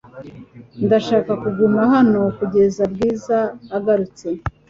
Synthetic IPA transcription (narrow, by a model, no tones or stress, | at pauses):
ndaʃaːkakuɡumahano̞kuɟe̞zab̚ɡiːzaːɡaɾut͡se̞